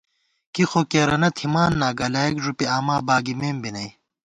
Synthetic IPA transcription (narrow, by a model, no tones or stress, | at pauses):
kixoːkeːɾɐnɐt̪ʰimaːnːaːɡɐlaːikʐupiaːmaːbaːɡimeːmbinɐj